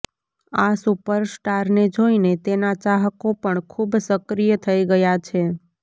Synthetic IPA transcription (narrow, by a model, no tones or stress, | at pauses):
asupəɾsʈaɾned͡ʒoinet̪enat͡ʃaɦəkopəɳkʰubsəkɾijət̪ʰəiɡəjat͡ʃʰe